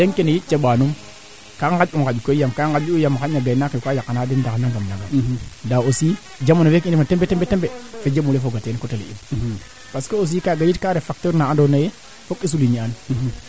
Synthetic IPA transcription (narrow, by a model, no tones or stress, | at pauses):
deŋkenejit̚t͡ʃeɓanum | kaŋɡad͡ʒuŋɡad͡ʒukojamkaŋɡad͡ʒuujamakaɲaɡajnakekʷajakːanadendaknaŋɡamnaɡadaosi | d͡ʒamonowekinmatembetembetembefed͡ʒemulefoɡatenkotelḛḭm | paskeos̬ikaɡajitkaɾefak̚toɾnaandonaje | fokis̬uliɲian